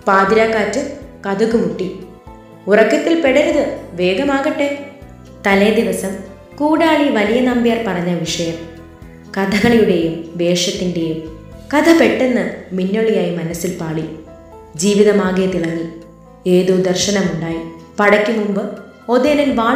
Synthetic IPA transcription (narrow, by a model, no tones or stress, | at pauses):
paːd̪ɾaːkːaːtːɨkɐd̪uɣumuʈːi | urɐkːɐt̪ːilpeɽɐɾɐðɨʋe̞ːɡɐmaːɣɐʈːe̞ | t̪ɐle̞ːd̪iʋɐsɐm | kuːɽaːɭiʋɐlijɐnɐmbjarpɐrɐɲːɐʋiʂɐjɐm | kɐd̪ʱɐɣɐɭijuɽe̞jumʋe̞ːʂɐt̪ːinde̞jum | kɐd̪ʰʱɐpe̞ʈːenːɨminːo̞ɭijaːjimɐnɐsilpaːɭi | d͡ʑiːʋiðɐmaːɣijɐt̪iɭɐŋːi | eːðud̪ɐrʂɐnɐmuɳɖaːji | pɐɽɐkʲːumumbɨ | o̞ðeːnilʋaː